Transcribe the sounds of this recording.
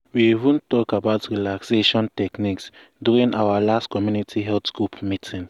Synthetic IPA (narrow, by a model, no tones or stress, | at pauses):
wiivũntɔkabaʊtɹilakseʃɔ̃ntɛkniks | djuɹĩnʔawalastkɔmjunitʰiɦɛltɡ̥ɹupʰmitʰĩn